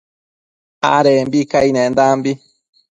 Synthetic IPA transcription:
a̰ɾembikajnẽnd̪aːmbi

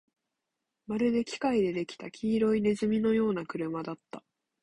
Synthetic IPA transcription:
maɾɯ̟d̪e̞kʲi̥kaid̪e̞d̪e̞kʲi̥t̪akʲʰiːɾo̞ine̞zɨmʲino̞jo̞ːnakɯ̟ɾɯ̟mad̪at̪ːa

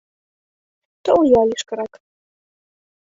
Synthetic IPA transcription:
t̪oljɑliʃkɤ̆ɾɑk

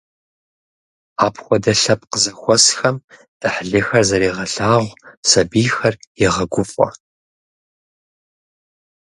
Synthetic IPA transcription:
aːpʰxʷɔdɐɬɐp̚ʼqəzɐxʷɔsxɐm | d̥ɨħɮɨxɐrzɐɾiːʁɐɬaːʁʷsɐbiːxɐrjɪʁɐɡʷʊfʼɐ̰

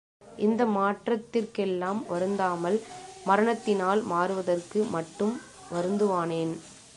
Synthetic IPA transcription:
ʔɪnd̪ɐmaːʈrɐt̪ːɪrkɛlːaːmʋɐɾɯnd̪aːmɐlmɐɾɐɳɐt̪ːɪnaːlmaːɾɯʋɐðɐrkɯmɐʈːɯm | ʋɐɾɯnd̪ɯʋaːneːn

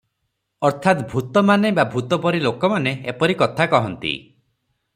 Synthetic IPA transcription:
ɔɾt̪ʰat̪bʱut̪ɔmanebabʱut̪ɔpɔɾilokɔmaneepɔɾikɔt̪ʰakɔɦɔnt̪ḭ

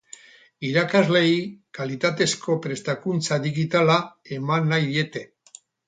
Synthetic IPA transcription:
iɾakazle̞ikalit̪at̪e̞sko̞pɾe̞st̪akunt͡saðiɣit̪alae̞manːajðie̞t̪e̞

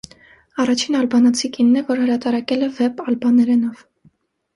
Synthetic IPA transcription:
ɑrɑt͡ʃʰinɑlbɑnɑt͡sʰikinːɛvɔɾhəɾɑt̪ɑɾɑkɛlɛvɛpɑlbɑnɛɾɛnɔv̥

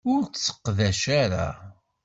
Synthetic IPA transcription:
ʊɾsːə̥qːðæʃaɾa̰

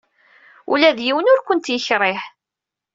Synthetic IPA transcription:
ṵlæðjiwənʊɾkʷʊnt̪jəçɾˤɪħ

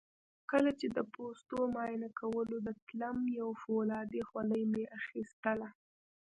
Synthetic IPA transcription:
kəlat͡ʃed̪əpost̪omɑjɪnakʰawəlod̪ət̪lamjawfolɑd̪exwaləjmeʔaxist̪əla

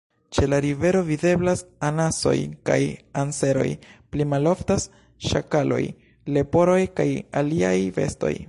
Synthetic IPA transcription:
t͡ʃe̞laɾive̞ɾo̞vide̞blasanaso̞̰jka̰janse̞ɾo̞̰jplimalo̞ftas | ʃa̰kalo̞̰j | le̞po̞ɾo̞jkajalia̰jve̞̰sto̞̰j

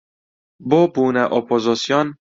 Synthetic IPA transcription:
bobuːnæʔopʰozosijon

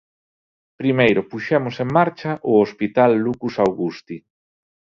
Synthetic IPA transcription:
pɾimejɾʊpuʃɛmʊseŋmaɾt͡ʃɐʔʊospit̪alːukusawɣust̪i

